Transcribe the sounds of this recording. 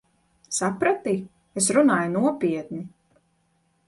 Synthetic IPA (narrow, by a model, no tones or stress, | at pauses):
sapɾat̪i | esɾunaːjunuɔpʲiɛt̪̚ni